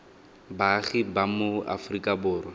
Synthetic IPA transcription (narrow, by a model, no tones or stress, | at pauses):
baɣɪbamʊa̰frikʼabʊːrɔ